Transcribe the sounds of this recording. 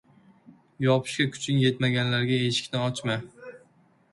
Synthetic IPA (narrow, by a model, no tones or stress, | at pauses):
jɒpʰɪ̥ʃkʲakʰʊ̥t͡ʃʰɪnje̞t̪maɡʲanlaɾɡʲae̞ʃɪ̥kʲnɪɒt͡ʃma